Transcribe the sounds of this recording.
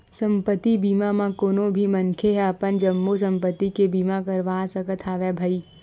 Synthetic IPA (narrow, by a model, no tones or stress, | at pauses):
sɐ̃mpət̪ːibiːmamãkoːnõbʱimɐ̃nkʰeɦɛɐpənd͡ʒəmːosɐ̃mpət̪ːikebiːmakɐɾʋaːsɐkət̪ʰaːʋɛbʱəiː